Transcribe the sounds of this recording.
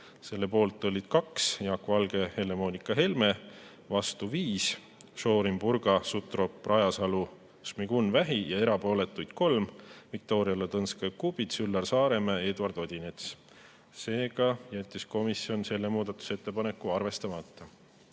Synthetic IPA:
se̞lːe̞po̞ːlt̪ːˑolʲid̪̥kɑksjɑkvɑlɡ̥e̞he̞le̞mo̞ːnʲikːˑɑɦe̞lme̞ | vɑst̪uviːs | ʃo̞ːɾimpurɡ̥ɑsut̪ˑro̞prɑjɑsɑlu | smiɡ̥unvæɦijɑe̞ɾɑpo̞ːle̞t̪ːˑujd̪̥̚ko̞lmvik̚t̪o̞ːɾiɑlet̪ɤnskɑjkubid̪sylːɑrsɑːɾe̞mee̞ːd̪uɑrd̪̥o̞d̪̥ʲine̞t̪s | se̞ːɡɑjæt̪ʲːˑisko̞misio̞nse̞lːe̞muːd̪̥ɑt̪ːu̥se̞t̪ːe̞pɑne̞kːˑuɑrve̞st̪ɑmɑt̪ːˑɑ

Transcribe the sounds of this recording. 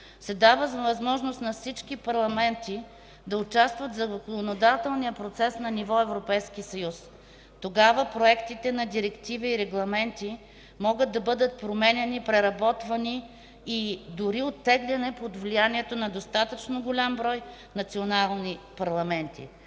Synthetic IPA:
sɛd̪avəzɐvɐzmɔʒnost̪nɐfsit͡ʃkipɐɾlˠɐmɛnt̪i | d̪ɐʊt͡ʃast̪vɐt̪vzɐzɐkonod̪at̪ɛlˠnijəpɾot̪sɛsnɐnivɔɛvɾopɛjskisɐjus | t̪oɡavəpɾoɛkt̪it̪ɛnɐd̪iɾɛkt̪ivɛiːɾɛɡlˠɐmɛnt̪i | mɔɡət̪̚d̪ɐbɤd̪ət̪̚pɾomɛnʲɛnipɾɛɾɐbɔt̪vɐniː | d̪ʊɾiot̪ːɛɡlʲɛnɛpod̪vlijaniɛt̪onɐd̪ost̪at̪ət͡ʃnoɡolʲambɾɔj | nɐt̪sionalˠnipɐɾlˠɐmɛnt̪ḭ

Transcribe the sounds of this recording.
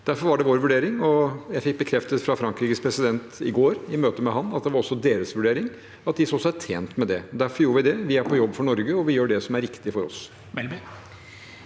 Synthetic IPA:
d̪̥æɾfɔɾʋɑɖɛʋoːɾʋʉɖeːɾɪŋɔjæɪfɪk̚bəkʰɾɛft̪ət̪fɾɑfɾɑŋkɾiːkəspʰɾɛsɪd̪ɛnt̪ɪ̰ɡoːɾɪmøːt̪əmɛɦɑnːɑt̪̚d̪ɛʋɑɾɔsːɔd̪eːɾəsʋʉɖeːɾɪŋ | ɑt̪̚d̪ɪsɔsːɔæt̪ʰḛːnt̪mɛd̪ɛd̪æɾfɔɾjuːɾʋɪd̪ɛʋɪæɾpʰɔjɔbːfɔɳɔɾɡəɔʋɪjøːɖɛsɔmæɾɪkt̪ɪfɔɾɔ̰s

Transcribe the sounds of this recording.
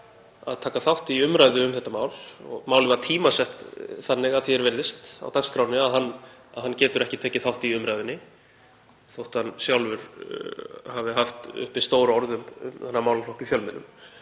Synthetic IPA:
a̰ðt̪ʰaːkaθawht̪iiʏmɾaːjðʏʏmθɛht̪ːamaːwlɔ̰ɣmaːwlɪvaɾt̪ʰiːmasɛht̪θanːɪɣaðθjɛɾvɛɾðɪst̪a̰wt̪akskʰɾaːwnɪaðɦanːa̰ðɦancɛːt̪ʏɾɛhcɪt̪ʰɛːcɪθawht̪iiʏmɾajðɪnːɪ | θowht̪hanːsjawlvʏɾ̥ | havɪɦaft̪ʏ̰hpɪst̪oːwɾaɔɾðʏmʏ̰mθanːaɾmaːwlaflɔhkiθjœlmɪnːʏm

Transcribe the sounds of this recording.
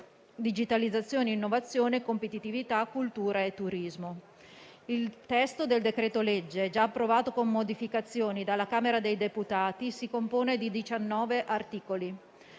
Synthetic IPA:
d̪id͡ʒit̪alid̪zːat̪sːjoːneinːovat̪sːjoːnekompet̪it̪ivit̪akːult̪uːɾaet̪ːuɾizmo | ilt̪ɛst̪od̪eld̪ekɾɛːt̪oled͡ʒːed͡ʒaːpːɾovaːt̪okomːod̪ifikat̪sːjoːnid̪alːakaːmeɾad̪ejd̪eput̪aːt̪isikompoːned̪id̪it͡ʃanːɔːveʔart̪iːkoli

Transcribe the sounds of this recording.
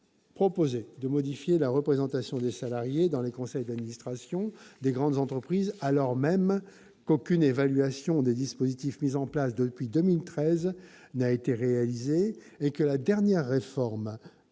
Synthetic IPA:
pχɔpozed̪əmɔd̪ifjelaʁəpχezɑ̃t̪asjɔ̃d̪esalaʁjed̪ɑ̃lekɔ̃sɛjd̪ad̪minist̪χasjɔ̃d̪eɡʁɑ̃d̪zɑ̃t̪χəpχizalɔʁmɛm | kokʲynevalɥasjɔ̃d̪ed̪ispozit̪ifmizɑ̃plasd̪əpɥid̪əmilt̪χɛznaet̪eʁealizeː | kəlad̪ɛʁnjɛʁːefɔʁm

